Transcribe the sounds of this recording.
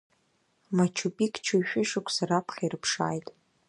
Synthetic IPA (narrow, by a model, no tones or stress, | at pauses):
mat͡ʃʰupʼikʰʼt͡ʃʰuʃᶣɪʃɨkʷʰsaɾapʰχʲarɨpʰʂa̰ːjtʼ